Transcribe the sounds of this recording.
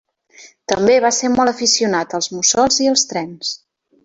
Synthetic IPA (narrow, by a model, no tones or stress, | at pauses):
t̪əmbeβaseɾmɔlˠəfisiunat̪əlˠzmusɔlˠziəlˠst̪ɾɛns